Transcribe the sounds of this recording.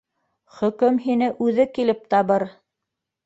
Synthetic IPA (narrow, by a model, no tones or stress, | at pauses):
χɵ̆kɵmɦinɘʔʉðɘkilɘp̚t̪ɑβɤɾ